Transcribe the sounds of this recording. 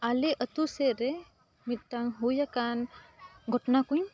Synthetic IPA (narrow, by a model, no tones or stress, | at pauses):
aliʔət̪useɾɛ | mit̪̚ˀtaŋɦujakanɡʱɔʈɔnakuɲ